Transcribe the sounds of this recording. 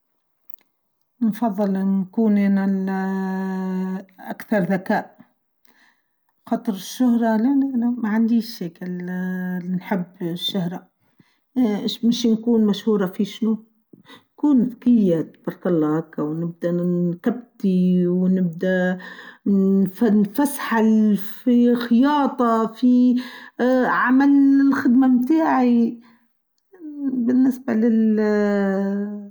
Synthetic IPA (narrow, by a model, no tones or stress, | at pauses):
nfɑðˤːɨlnkuːnʔeːnal | ʔa̰kθɑɾˤðakaːʔ | xɑːt̪ˤɾɪʃːʊhɾˤɑlænænamaʕand̪iːʃːeːkɪl | nħɪbːʃːʊhɾˤɑ | ʃmɪʃnkuːnmaʃhuːɾˤɑfiʃnu | nkuːnðkɪjːat̪b̥ɑɾˤkalˤːɑːhakːawnɪb̚d̪ant̪ab̚t̪iwnɪb̚d̪a | fanfasħalfixɪjɑːt̪ˤɑfi | ʕamalɪlxɪd̪mamt̪aːʕi | bɪnːɪsbalɪl